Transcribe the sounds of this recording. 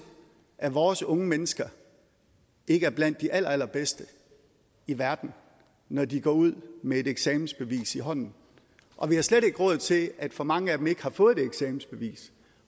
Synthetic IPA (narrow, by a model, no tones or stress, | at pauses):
ʔæʋɒːsɔ̽ŋəmenəsɡ̥ɐ | ʔe̝ɡ̥əæɐb̥læn̰d̥ːiʔælɐæl̰ɐb̥esd̥ə | iʋæɐd̥n̩ | nɒdiɡ̥ɒ̰ːuð̞̰ˠmee̝ɾeɡ̥sɛːmn̩sb̥e̝ʋḭːsiɦɒ̽n̰n̩ | ʔɒ̽ʋihɑ̈sleɾ̥e̝ɡ̥ʁɔ̽ð̰ˠt͡sʰe̝læd̥fɒ̽mɑ̈ŋəæd̥eme̝ɡ̥əhɑ̈fɔ̽ːð̞̩ˠde̥eɡ̥sɛːmn̩sb̥e̝ʋḭːs